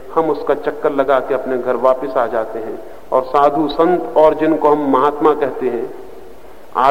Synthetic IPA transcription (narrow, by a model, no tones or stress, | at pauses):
hɐmʊskat͡ʃɐkːəɾlɐɡaːkeɐpneɡʱɐɾʋaːpɪsaːd͡ʒaːt̪eɦɛ̃ː | ɔːɾsaːd̪ʱusə̃nt̪ɔːɾd͡ʒɪnkoɦɐmːɐɦaːt̪makɛɦt̪eɦɛ̃ː | a̰ː